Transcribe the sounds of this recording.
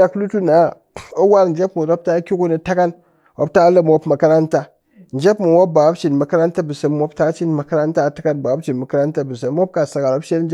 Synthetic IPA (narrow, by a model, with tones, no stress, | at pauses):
a˨klu˦tu˦na˨˦ | o˦wa˦ɾn̩˨d͡ʒe˦pmu˨ɾo˦p̚ta˦kʲi˦ku˦na˨ta˦ka˦n | wo˦p̚ta˦la˦m˦o˦pmɐ˨ka˦ɾa˦nta˦ | n̩˨d͡ʒe˦pmu˨wo˦ba˨wa˦pt͡ʃi˨nmɐ˨ka˦ɾa˦nta˦bɨ˨sə˨mːʷ˦o˦pta˦t͡ʃi˦nmɐ˨ka˦ɾa˦nta˦˨ta˦ka˦nba˨wa˦pt͡ʃi˨nmɐ˨ka˦ɾa˦nta˦bɨ˨se˨mː˦o˦p̚ka˨sa˨ka˨ɾo˦pʃe˦ln˦d͡ʒ